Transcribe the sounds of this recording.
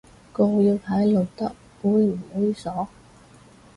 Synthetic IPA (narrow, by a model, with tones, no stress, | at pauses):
ko˧jiː˧wpʰaː˨˥jlo˨˩wt̪ɐ˥k̚ː | uː˨˧jm̩˨˩hɔː˨˥jiː˧sɔː˨˥